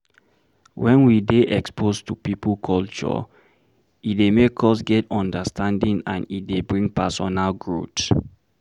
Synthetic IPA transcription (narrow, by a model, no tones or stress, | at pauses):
wɛ̃nwideʔɛkspʰostupipl̩kʰɔlt͡ʃɔ̰ | itdemekʰɔsɡɛtɔ̃ndəstʰãndĩŋãnitdebɹĩŋpɛsɔnalɡɹut